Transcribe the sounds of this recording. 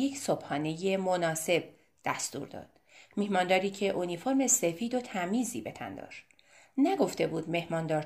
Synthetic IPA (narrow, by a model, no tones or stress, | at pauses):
jekʰsob̥hɒːne̞je̞monɒːse̞b̥̚ | d̪̥æst̪ṵːɾd̪ɒ̰ːd̪̥ | mihmɒːnd̪ɒːɾiːcʰe̞ʔonifo̞ɾmese̞fiːd̪ot̪ʰæmiːzḭːbe̞t̪ʰæ̰nd̪ɒ̰ːʃ | næɡo̞ft̪e̞buːd̪me̞hmɒːnd̪ɒːɾ